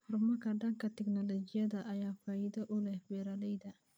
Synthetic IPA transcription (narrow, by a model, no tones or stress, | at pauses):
hʊrmɐkʰɐɖɐŋkʰɐt̪ɛknɔlɔd͡ʒɪjɐðɐʔɐjaːfaːjɪd̪ɐʔʊlɛhwɛːɾɐlɛjd̪ɐ